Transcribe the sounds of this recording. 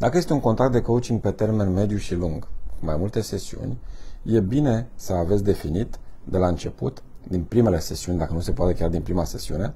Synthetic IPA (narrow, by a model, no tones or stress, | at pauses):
d̪akəjest̪euŋko̞nt̪ɾakt̪d̪ekout͡ʃiŋɡ̚pe̞t̪e̞rme̞nme̞d̪juʃiluŋɡkumajmult̪e̞se̞siṵnʲje̞bine̞səavet̪sʲd̪e̞finit̪d̪e̞laɨnt͡ʃe̞pṵt̪d̪inpɾime̞le̞se̞siunʲd̪akənuse̞poat̪ekejard̪inpɾimase̞siṵne̞